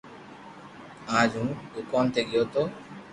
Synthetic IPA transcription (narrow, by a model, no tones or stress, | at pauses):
ad͡ʒũŋukɔnt̪ʰeɡijot̪o